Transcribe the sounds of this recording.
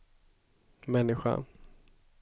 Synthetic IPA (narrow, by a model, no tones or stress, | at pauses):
mɛnːɪɧa̰n